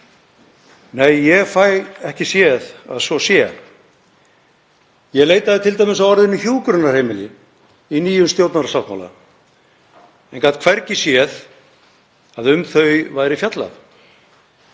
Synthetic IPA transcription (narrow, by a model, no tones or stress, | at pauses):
neːjjɛɣfaːjɣɛhcɪsjɛða̰ðsvɔsjɛ | jɛɣleːjt̪aðɪt̪ʰɪlt̪ajmɪnsawɔɾðɪnːʏçjuːkɾʏnaɾrheːjmɪlɪ | iniːjʏnst̪jowt̪naɾasawt̪ma̰wla̰ | ɛnkaːt̪kʰvɛɾcɪsjɛð | aðʏmθœɥvajɾɪfjat̪la̰θ